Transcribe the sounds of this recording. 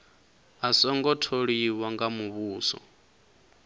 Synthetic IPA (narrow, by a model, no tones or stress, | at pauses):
asɔŋɡɔtʰoɺiwaŋɡamuβuːsɔ̰